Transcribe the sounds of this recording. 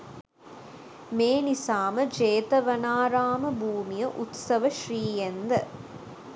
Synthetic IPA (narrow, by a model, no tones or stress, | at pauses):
meːnisaːmɐd͡ʒeːt̪ɐʋɐnaːɾaːmɐbʱuːmijɐʔut̪sɐʋɐʃriːjend̪ɐ